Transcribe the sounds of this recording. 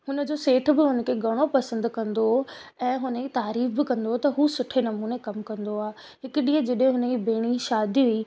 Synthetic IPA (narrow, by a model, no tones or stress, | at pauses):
ɦʊnə̆d͡ʑoːseːʈ̆ʰbɪɦʊnəkʰeɡʱɐɽ̃opɐsə̃nd̪kɐ̃nd̪oɛ̃ːɦʊnəit̪aːɾiːfbɪkɐ̃nd̪ot̪ɐɦuːsʊʈʰenɐmuːnekɐmkɐ̃nd̪oaːɦe | ɦɪkʊɗiːɦəd͡ʑɐɗɦẽɦʊnəibeːɽ̃iʃaːd̪iɦʊi